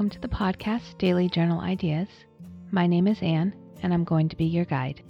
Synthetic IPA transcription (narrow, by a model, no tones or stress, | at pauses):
m̩tʰɨðəpʰɑd̚kʰæsd̥eɪlˠid͡ʒɜ˞nl̩ˠa̰ɪdiɨz̥ | maɪnẽɪ̃mɨzæ̃n | ɨ̃nãɪ̃mɡoʊɪ̃ŋtʰəbijə˞ɡaɪd̥